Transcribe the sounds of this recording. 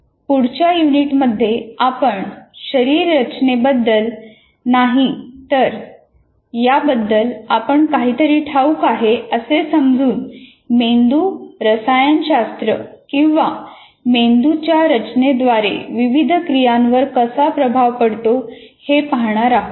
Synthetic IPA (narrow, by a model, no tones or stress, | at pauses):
puɽt͡ɕjajuniʈməd̪ʱːjeapəɳɕəɾiːɾːət͡ɕnebəd̪ːəl | naɦit̪əɾ | jabəd̪ːəlapəɳkaɦiːt̪əɾiːʈʰaukaɦeəsesəmd͡zʱuːn | mend̪uɾəsajənɕast̪ɾə̰kĩw̃ʋa | mend̪ut͡ɕjaɾət͡ɕned̪ʋaɾḛʋiʋid̪ʱkɾijãnʋəɾkəsapɾəbʱaʋpəɽt̪ohepaɦɳ̃aɾaɦ